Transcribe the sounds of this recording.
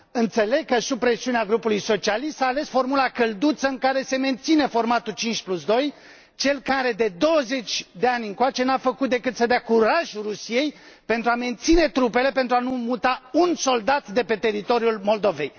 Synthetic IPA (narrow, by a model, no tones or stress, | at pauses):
ɨnt̪se̞le̞ɡ̚kəsub̚pɾe̞siuneaɡɾupulujso̞t͡ʃialist̪aːle̞sfo̞rmulakəld̪ut̪səɨŋkaɾe̞se̞me̞nt̪sine̞fo̞rmat̪ut͡ʃint͡ʃʲplusd̪o̞j | t͡ʃe̞lkaɾe̞d̪e̞d̪o̞wəze̞t͡ʃʲd̪e̞anʲɨŋkoat͡ʃe̞nafəkut̪̚d̪e̞kɨt̪səd̪eakuɾaʒurusije̞j | pent̪ɾuame̞nt̪sine̞t̪ɾupe̞le̞pent̪ɾuanumut̪aunso̞ld̪at̪d̪e̞pe̞t̪e̞ɾit̪o̞ɾjulmo̞ld̪o̞ve̞̰j